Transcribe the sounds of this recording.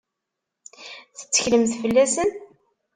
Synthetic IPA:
θə̥t͡sːə̥çləmθfəlːæsən

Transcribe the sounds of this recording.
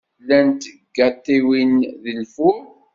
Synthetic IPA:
lːænt̪ɡːæt̪ːiwinðəlfum

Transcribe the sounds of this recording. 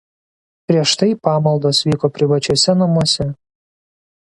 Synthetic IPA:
pʲɾʲiɛʃt̪ɐɪpɑːmɐlˠd̪oːsʋʲiːkoːpʲɾʲɪʋɐt͡ʃʲuɔsʲɛnɐmuɔsʲɛ

